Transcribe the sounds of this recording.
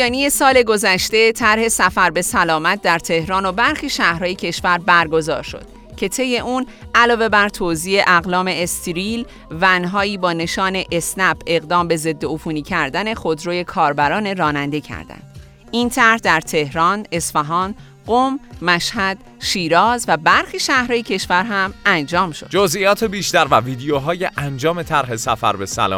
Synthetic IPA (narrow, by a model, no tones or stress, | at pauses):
jɒːnije̞sɒːle̞ɡo̞zæʃt̪e̞t̪ʰæɾhe̞sæfæɾbe̞sælɒːmæt̪̚d̪æɾt̪ʰe̞hɾɒːno̞bæɾxiːʃæhɾɒːjecʰe̞ʃvæɾbæɾɡo̞zɒ̰ːɾʃo̞̰d̪̥ | cʰe̞t̪ʰe̞jːe̞ʔuːn | ʔælɒːve̞bæɾt̪ʰoːziːe̞ʔæɣlɒːme̞ːst̪ʰiɾiːl | vænɦɒːiːbɒːne̞ʃɒːne̞ʔesnæbe̞ɣd̪ɒːmbe̞ze̞d̪ːeofuːniːcʰæɾd̪æne̞xod̪ɾoːje̞kʰɒːɾbæɾɒːne̞ɾɒːnænd̪e̞cʰæ̰ɾd̪̥æ̰nd̪̥ | iːnt̪ʰæɾhd̪æɾt̪ʰe̞hɾɒːne̞sfæɦɒːn | ɢomːæʃhæd̪̥ | ʃiːɾɒːzvæbæɾxiːʃæhɾɒːjecʰe̞ʃvæɾɦæmænd͡ʒɒːmʃod̪d͡ʒozʔijɒːt̪ʰebiːʃt̪æɾvæviːd̪ejoɦɒːjeʔænd͡ʒɒːme̞t̪ʰæɾɦe̞sæfæ̰ɾbe̞sæ̰lɒ̰ː